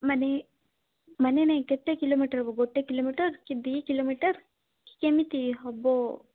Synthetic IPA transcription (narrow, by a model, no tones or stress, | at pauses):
mɐne | mɐneneket̪ːekilomiʈɐɾboɡoʈːekiloːmiːʈɐɾkid̪ikiloːmiːʈɐɾ | ki̥kemit̪iɦɔbːo